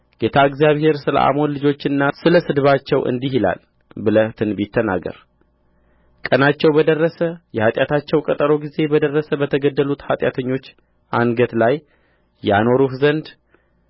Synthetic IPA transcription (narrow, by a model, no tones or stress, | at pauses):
ɡ̥et̪ʰaɨɡzijaβhe̞ɾsɨlə̰ʔa̰monlɨd͡ʒo̞t͡ʃːɪnːasɨləsɨd̪βat͡ʃːɛwʔɨ̰nd̪iɦila̰l | bɨlət̪ʰɨnbit̪ʰːəna̰ɡə̰ɾ | kʼənat͡ʃːɛwbəd̪ərːəsəjɛhat̪ʼjat̪ʰat͡ʃːɛwkʼət̪ʼəɾo̞ɡize̞bəd̪ərːəsəbət̪ʰəɡəd̪ːəlut̪hat̪ʼjat̪ʰəɲːo̞t͡ʃː | ʔanɡət̪laj | jːano̞ɾuhzənd̪